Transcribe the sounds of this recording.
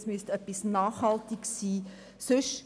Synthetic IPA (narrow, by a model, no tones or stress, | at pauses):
smyəstœpːisnɑːχhɑltɪksiː | sʏʃ